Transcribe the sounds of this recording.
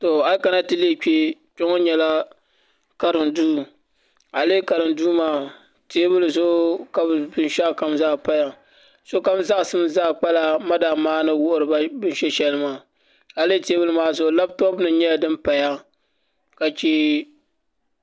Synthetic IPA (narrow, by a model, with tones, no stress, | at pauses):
to˨a˦ka˨na˦tɨ˦le˦k͡pʲe˦k͡po˦ŋo˦ɲɛ˨la˦ | ka˨ɾɨ˨nduː˦ | a˨leː˦ka˨ɾɨ˨nduː˦maː˦˨ | te˦bɨ˦lɨ˨zʊ˦ka˨bbɨ˦nʃa˦˨ka˨mzaː˦˨pa˦ja˨ | so˦ka˦bza˦ʔsɨ˦m˦zaː˦k͡pa˦la˦ma˦da˨maː˦nɨ˦wʊ˦ʔʊ˨ɾɨ˨ba˦bɨ˦n˦ʃɛ˦ʃɛ˦lɨ˦maː˦˨ | a˨le˦teː˦bʊ˦lɨ˦maː˦zʊ˨˦la˦b̚tɔ˦bnɨ˨ɲɛ˦ja˨dɨ˦mpa˨ja˦ | ka˨t͡ʃi˦